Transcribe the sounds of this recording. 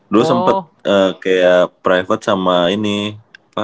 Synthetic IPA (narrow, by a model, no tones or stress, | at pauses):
duəsəmpət̪̚əːkajapɾajfət̪̚samainiapa